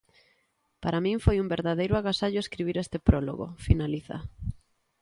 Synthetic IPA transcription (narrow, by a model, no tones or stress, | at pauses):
paɾamĩɱfojumbeɾðaðejɾʊaɣasaʎoeskɾiβ̞iɾest̪epɾolo̰ɣo̰finaliθa̰